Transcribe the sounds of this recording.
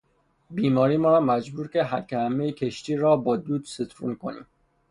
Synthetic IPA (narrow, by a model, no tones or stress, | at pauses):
biːmɒːɾiːmɔːɾɒːmæd͡ʒbuːɾceɦæɾcʰʲehæmːejcʰeʃt̪iːɾɒːbɒːd̪uːd̪set̪ʰɾṵnkʰo̰nḭːm